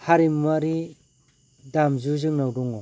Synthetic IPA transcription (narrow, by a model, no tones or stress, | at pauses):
haɾimːaɾi | damzuzɯŋnawduŋɔ